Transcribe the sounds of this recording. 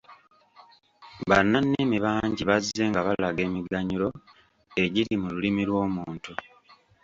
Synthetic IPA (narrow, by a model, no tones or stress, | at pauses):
βanːanːimiβaːɲɟiβaze̞ːŋɡaβalaɡe̞ːmiɡaɲuɾo̞ | e̞ɟiɾimululimilwo̞ːmuːntu